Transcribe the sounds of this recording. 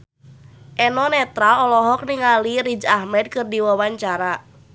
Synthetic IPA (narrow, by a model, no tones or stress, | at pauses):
ʔɛnɔnɛt̪ɾaɔlɔɦɔk̚niŋaliɾid͡ʒahmɛd̪̚kɨrdiwawaɲt͡ʃaɾa